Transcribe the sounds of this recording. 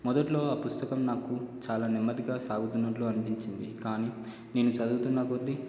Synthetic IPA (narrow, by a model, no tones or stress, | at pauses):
mɔd̪ɐʈlo̞ːaːpust̪ɐkɐmnaːkut͡ʃaːlaːnimːɐd̪iɡaːsaːɡut̪unːɐʈluːɐnipiɲt͡ʃind̪ikaːniː | ne̞ːnut͡ʃɐd̪uɡut̪unːaːkuɐd̪ːi